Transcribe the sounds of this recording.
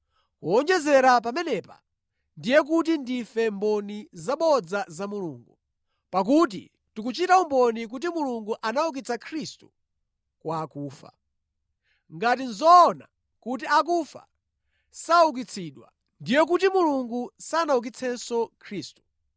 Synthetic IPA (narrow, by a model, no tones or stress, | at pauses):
kuɔnd͡ʒɛzɛɾap̬amɛnɛpa̰ | ndijɛk̬ut̬indifɛmbɔnizaɓɔd͡zazamuluːŋɡu | pak̬ut̬ḭ | tukut͡ʃitaumbɔnik̬ut̬imuluŋɡuʔanauk̬it͡sʰakʰɾistu | kwaːkuːfa̰ | ŋɡat̬inzɔːna | kut̬iak̬ufa̰ | sauk̬it͡sʰiɗwa̰ | ndijɛk̬utimuluŋɡusanauk̬it͡sʰɛnsɔkʰɾiːstu̥